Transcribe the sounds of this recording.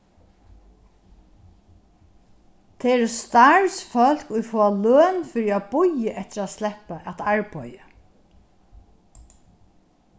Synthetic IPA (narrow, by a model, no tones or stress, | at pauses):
t̪ʰɛɛɾst̪aɹsfœl̥kʊjfɔːaløːnfɪɾiabʊjəʔɛht̪ɪɾat̪slɛhpaʔɛt̪aɹpɔjə